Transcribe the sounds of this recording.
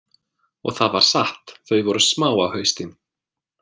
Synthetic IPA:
ɔ̰ɣθaðvaɾ̥saht̪θœɥvɔɾʏsmaːwawhœɥst̪ɪn

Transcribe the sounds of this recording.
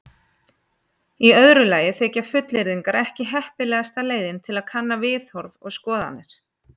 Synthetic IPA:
iœðɾʏlaːjɪθɛːcafʏt̪lɪɾðiŋkaɾɛhcɪɦɛhpɪlɛːɣast̪aleːjðɪnt̪ʰɪlaðkʰanːavɪːθhɔɾvɔ̰ɣskɔːða̰nːɪɾ̥

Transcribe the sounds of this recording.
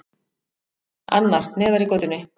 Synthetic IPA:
a̰nːaɾ̥nɛːðaɾikoːt̪ʏnːɪ

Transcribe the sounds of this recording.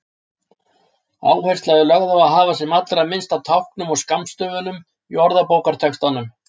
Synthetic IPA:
a̰ːwhɛjr̥st̪laðʏlœɣðawaðɦaːvasɛmat̪lɾaðmɪnst̪awt̪ʰawhknʏmɔɣskamst̪œːvʏnʏm | iɔɾðapoːwkaɾ̥t̪ʰɛkst̪anʏm

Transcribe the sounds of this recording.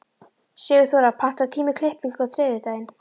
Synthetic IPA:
sjɛːɣʏθaɾaðpʰan̥t̪at̪ʰiːmɪkʰlɪhpliŋkawθɾɪːðɪɾt̪aːjɪn

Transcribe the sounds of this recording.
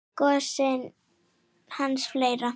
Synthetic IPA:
kɔsɪn | hansflejɾa

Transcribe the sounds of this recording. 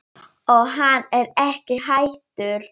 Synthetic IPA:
ɔɣɦanːɛɾɛhcɪɦajt̪ʏɾ̥

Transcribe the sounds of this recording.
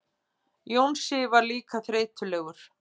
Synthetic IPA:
jownsɪvaɾliːkaθɾeːjt̪ʏlɛɣʏɾ̥

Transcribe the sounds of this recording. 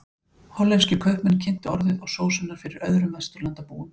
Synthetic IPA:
hɔlːɛnscɪkʰœhpmɛnːcʰɪn̥t̪ɪɔɾðɪðɔɣsoːwsɛnːaɾ̥fɪɾɪɾœðɾʏmvast̪ʏɾlant̪apuːʏm

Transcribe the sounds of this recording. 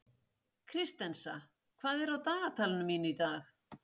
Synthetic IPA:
kʰɾɪst̪ɛnsa̰ | kʰvaːðɛɾawt̪aːɣat̪ʰaːlɪnʏmːiːnʏit̪aːx

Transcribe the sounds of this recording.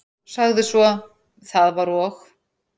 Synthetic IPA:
saɣðɪsvɔ | θaðvaɾɔx

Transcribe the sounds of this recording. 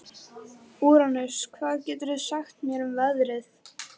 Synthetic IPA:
uːɾanʏɾ̥skʰvaːðcɛːt̪ʏɾɪðsaxt̪mjɛɾʏmvɛðɾɪθ

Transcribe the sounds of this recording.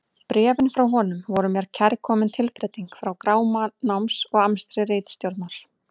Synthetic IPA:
pɾɛːvɪnfɾawɦɔːnʏmvɔɾʏmjɛɾ̥cʰɛɾkʰɔːmɪnt̪ʰɪlpɾɛjt̪iŋkfɾawkɾaːwmanawmsɔɣamst̪ɾɪɾeːjt̪st̪jowɾt̪naɾ̥

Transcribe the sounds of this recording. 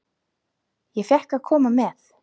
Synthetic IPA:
jɛfjɛhkaðkʰɔːmamɛθ

